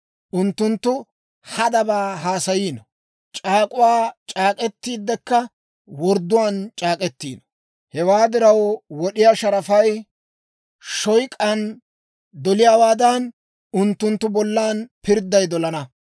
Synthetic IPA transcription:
ʔʊnt̪ːʊnt̪ːʊ | hɐd̪ɐbaːɦaːsɐjiːnɔ | t͡ʃʼaːkʼʊwaːt͡ʃʼaːkʼɛt̪ːiːd̪ːɛkːɐ | wɔɾd̪ːʊwaːnt͡ʃʼaːkʼɛt̪ːiːnɔ̥ | hɛwaːd̪ɪɾɐwwɔɗɪjaːʃɐɾɐfɐj | ʃɔjkʼɐn | d̪ɔlɪjaːwaːd̪ɐn | ʊnt̪ːʊnt̪ːʊbɔlːaːnpɪɾd̪ːɐjd̪ɔlɐnɐ

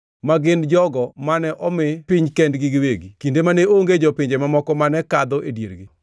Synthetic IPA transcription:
maɡɪnd͡ʒɔɡɔmanɛʔɔmɪpɪɲkɛndɡɪɡɪweɡikindemaneoŋɡed͡ʒɔpɪɲd͡ʒemamɔkɔmanɛkad̪ɔʔedjḛɾɡɪ

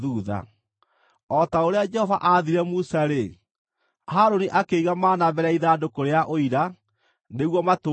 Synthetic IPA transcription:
ðuːða̰ | ɔtaoɾead͡ʒɛhɔvaʔaðiɾɛmusaɾe | haːɾoniʔakeiɣamaːnaβɛɾaiðaːdokoɾeaʔoiɾa | neɣwɔmato

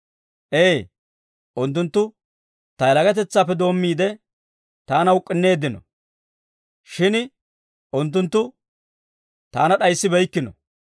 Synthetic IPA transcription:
ʔeː | ʔʊnt̪ːʊnt̪ːʊ | t̪ɐjɛlɐɡɐt̪̬ɛt͡sːaːpːɛd̪o̞ːmːiːd̪ɛ | t̪aːnɐʊkʼːɪnːe̞ːd̪ɪnɔ̰ | ʃɪn | ʔʊnt̪ːʊnt̪ːʊ | t̪aːnɐɗɐjsːɪbɛjkːɪnɔ̰

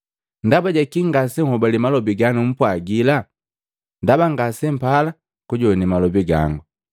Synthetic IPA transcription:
ndabaɟakiŋɡasɛŋ̩hɔbalimalɔbiɡanum̩pwaɡila | ndabaŋɡasɛm̩pala | kuɟɔnimalɔbiɡa̰ŋɡu

